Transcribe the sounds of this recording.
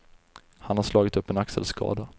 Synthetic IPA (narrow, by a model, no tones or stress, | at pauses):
hanhaʂlɑːɡɪt̪ɵpːɛnaksə̰lskʰɑ̰ːd̪a